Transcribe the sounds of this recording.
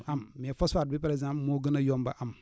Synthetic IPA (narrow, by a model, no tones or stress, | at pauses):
ammiafɔsfad̚bipaɾeɡzãmpmoɡənajomba̰ʔam